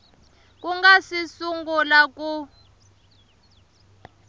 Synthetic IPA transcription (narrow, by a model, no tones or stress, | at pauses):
k̬ʼuŋɡasisuŋɡulak̬ʼu